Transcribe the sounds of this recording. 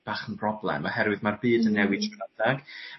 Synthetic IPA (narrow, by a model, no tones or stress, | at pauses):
b̥aːχənpʰrɔblˠɛ̰mɔhɛɾwɨðmarbɨːdənːɛwɪ̥ɛnad̥aɡ̥